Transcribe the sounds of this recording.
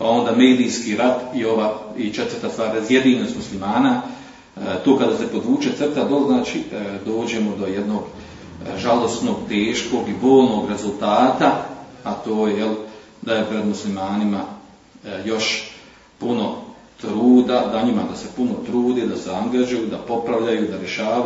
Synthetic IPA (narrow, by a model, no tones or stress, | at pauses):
pao̞nd̪aːme̞ːd̪ijskiɾat̪io̞ʋait͡ʃe̞t̪ʋərt̪ast̪vaːɾazjed̪iːnoːst̪muslimaːna | t̪oːkad̪aːse̞po̞d̪ʋuːt͡ʃet̪sr̩t̪ad̪o̞lznaːt͡ʃḭd̪o̞ːd͡ʑe̞mod̪o̞jed̪no̞ːɡ | ʒalo̞st̪no̞ːɡt̪eːʃko̞ɡibo̞ːlno̞ːɡɾe̞zulˠt̪aːt̪aat̪o̞ːjejel | d̪ajepɾe̞d̪muslimaːnima | jo̞ʃ | puno̞ | t̪ɾuːd̪ad̪aɲimad̪ase̞puno̞t̪ɾuːd̪eːd̪aseaŋɡaʒujuːd̪apo̞pɾaʋʎajuːd̪aɾje̞ʃaː